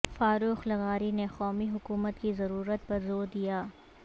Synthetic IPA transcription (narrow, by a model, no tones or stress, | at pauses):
faːɾuːxlɐɣaːɾinexɔːmiɦʊkuːmət̪kizɐɾuːɾət̪̚pɐɾzoːɾd̪ijaː